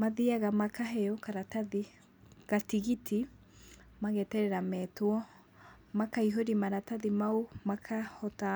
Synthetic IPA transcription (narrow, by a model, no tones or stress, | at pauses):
maðiaɣamakaɦɛɔkaɾataði | ɣatiɣitʰi | maɣɛtɛɾɛɾamɛtwɔ | makaiɦoɾimaɾataðimaumakʰahɔta